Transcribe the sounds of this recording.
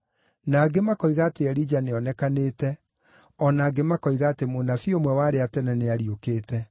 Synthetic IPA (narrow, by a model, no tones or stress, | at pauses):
naːɡemakɔiɣateɛɾid͡ʒaneɔnɛkaneːtɛ | ɔnaːɡemakɔiɣaːtemonafiomwɛwaːɾeatɛnɛneaɾiokeːtɛ